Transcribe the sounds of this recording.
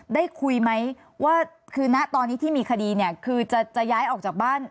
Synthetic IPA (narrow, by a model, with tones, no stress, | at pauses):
daː˥˩jkʰu˧jma˦˥j | waː˥˩kʰɯː˧na˦˥ʔt̪ɔː˧nːi˦˥t̪ʰiː˥˩miː˧kʰa˧diː˧ni˥˩ɐkʰɯː˧t͡ɕa˨˩t͡ɕa˨˩jaː˦˥jʔɔː˨˩k̚t͡ɕaː˨˩k̚baː˥˩n